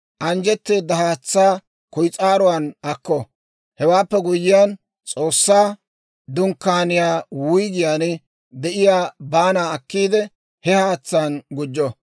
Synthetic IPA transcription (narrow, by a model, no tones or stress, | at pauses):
ʔɐnd͡ʒɛt̪ːeːd̪ɐhaːt͡sːaː | kʊjt͡sʼaːɾʊwanɐkːɔ | hɛwaːpːɛɡʊjːɪjaːn | t͡sʼoːsːaː | d̪ʊŋkːaːnɪjaːwʊjɡ̪ɪjaːn | d̪ɛʔɪjaːbaːnaːɐkːiːd̪ɛ | hɛhaːt͡sːaːnɡʊd͡ʒːɔ